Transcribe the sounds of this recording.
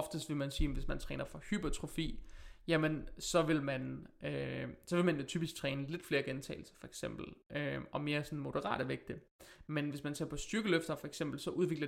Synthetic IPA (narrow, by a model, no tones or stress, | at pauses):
ɒfd̥əsd̥ʋe̝lmænsiːʋe̝smænt͡sʰʁɛ̰ːnɐfɒ̽hyb̥ɐt͡sʰʁofḭːjæmənsɒ̽ʋe̝lmænøsɒ̽ʋe̝mænjot͡sʰy̰ːb̥isɡ̥̚t͡sʰʁɛːnəle̝d̥fle̝ːɐɡ̥ent͡sʰɛ̰ɪl̩sɐ̥fɒ̽e̥ɡ̥sem̰b̥l̩ʔøɒ̽me̝ːɐsɒ̽n̩mo̝ɾ̥əʁɑ̰̈ːɾ̥æʋeɡ̥̚d̥ə | menʋe̝smænse̝ɐpʰɒ̽sd̥yɐɡ̥əløfd̥ɐfɒ̽eɡ̥sem̰b̥l̩sɒ̽ʔuðˠʋe̝ɡ̥lɐ